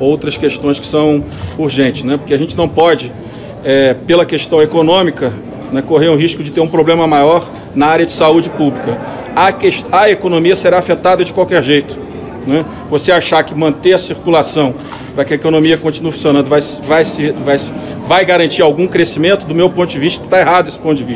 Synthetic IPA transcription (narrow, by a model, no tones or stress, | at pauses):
owt̪ɾɐskeʃt̪õj̃skɪ̥sɐ̃w̃ | uɾʒẽnt͡ʃɪ̥snɛpo̥keaʒẽnt͡ʃɪnɐ̃w̃pɔd͡ʒɪ | ɛpelɐkeʃt̪ɐ̃w̃ekonõmikɐ | nɛkoɦeɾũɦiʃkʊd͡ʒɪt̪eɾũpɾoblẽmɐmajɔɾ | nɐaɾjɐd͡ʒɪsaud͡ʒɪpublikɐ | akeʃt̪ɐekonõmiɐseɾaːfet̪ad̪ɐd͡ʒɪkwawkɛɾʒejt̪ʊ̥ | nɛ | voseaʃaɾkɪmɐ̃nt̪eɐsiɾkulasɐ̃w̃ | pɾɐkɪɐekonõmiɐkõnt͡ʃinuɐfũsjonɐ̃nd̪ʊvajsvajsevajs | vajɡaɾɐ̃nt͡ʃiɾawɡũkɾesimẽnt̪ʊd̪ʊmewpõt̪ʊd͡ʒɪviʃt̪ɐt̪aeɦad̪ʊesɪ̥põt̪ʊd͡ʒɪviʃt̪ɐ